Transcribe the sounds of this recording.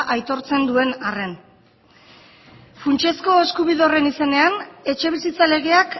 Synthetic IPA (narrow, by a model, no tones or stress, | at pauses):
ʔajt̪o̞ɾt͡se̞nd̪ue̞nare̞n | funt͡ʃe̞sko̞eskuβiðeore̞nise̞ne̞ane̞t͡ʃe̞β̞isit͡sale̞ɣ̞e̞ak